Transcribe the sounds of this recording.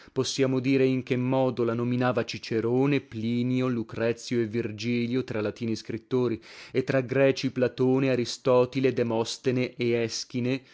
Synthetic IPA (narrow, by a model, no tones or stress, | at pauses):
posːjaːmod̪iːɾeiŋk̟emːɔːd̪olanominaːvat͡ʃit͡ʃeɾoːnepliːnjolukɾɛt̪sːjoevːird͡ʒiːljot̪ɾalat̪iːniskɾit̪ːoːɾiet̪ːɾaɡɾɛːt͡ʃiplat̪oːneaɾist̪ɔːt̪iled̪emɔst̪eneʔeɛsk̟ine